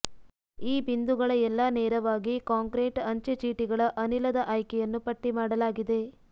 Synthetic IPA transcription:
iːbind̪uɡɐɭɐɛlːɐneːɾɐʋaːɡikaːŋkɾeːʈɐɲt͡ʃet͡ʃiːʈiɡɐɭɐʔɐnilɐd̪ɐʔɐːjkɛjɐnːupɐʈːimaːɽɐlaːɡid̪e̞

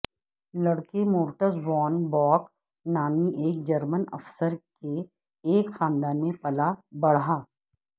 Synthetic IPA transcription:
lɐɽkemʊːɾʈəzʋɔːnbɔːk | naːmiʔeːk̚d͡ʒɐɾmənɐ̰fsəɾke | eːkxaːnd̪aːnmẽpɐlabɐɽ̤aː

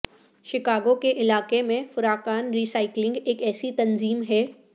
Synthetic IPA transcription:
ʃɪkaːɡõkeʔɪlaːqemẽfʊɾaːkaːnɾiːsaːɪklɪ̃ŋɡeːkɛːsit̪ɐnziːmɦɛː

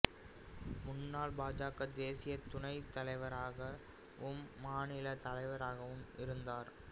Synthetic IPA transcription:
mʊnːaːlbaːd͡ʒaːkɐd̪eːsɪjɐt̪ʊɳɐɪt̪ːɐlɐɪʋɐɾaːɣɐ | ʊmːaːnɪlɐt̪ɐlɐɪʋɐɾaːɣɐʋɯmʔɪɾɯnd̪aːɾ

